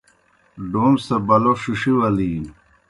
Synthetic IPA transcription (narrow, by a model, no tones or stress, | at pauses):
ɖoːmsɐbɐloʂuʂiwɐliːn